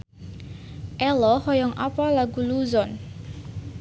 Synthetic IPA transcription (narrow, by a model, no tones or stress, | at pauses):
ʔɛlɔhɔjɔŋʔapalaɡuluzɔn